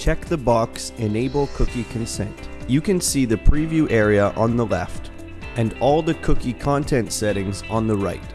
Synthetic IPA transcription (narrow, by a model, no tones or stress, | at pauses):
t͡ʃʰɛk̚ðəbɑksɪ̃neɪbl̩ˠkʰʊkikʰɨ̃nsɛ̰̃ntjɨkɨ̃nsiðɨpʰɹ̥ivjʉʔɛɹiəʔə̃nðəlɛ̰ft | ɨ̃nɔlˠðɨkʰʊkikʰɑ̃ntʰɛ̃ntsɛɾɪ̃ŋzə̃n̩ðəɹaɪt̚